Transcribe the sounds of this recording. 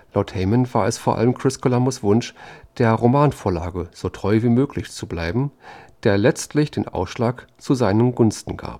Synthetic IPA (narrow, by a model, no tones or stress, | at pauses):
laʊthɛɪmənvaːɐɛsfoːɐʔa̰ləmkʁ̥ɪskʰolamʊsv̥ʊnʃd̥eːɐʁomaːnfoːɐla̰ːɡəz̥oːtʁ̥ɔʏviːmøːklɪçt͡sublaɪbm̩d̥eːɐlɛt͡stlɪçd̥eːnʔa̰ʊsʃlaːkt͡suzaɪnənɡʊnstn̩ɡa̰ːp̚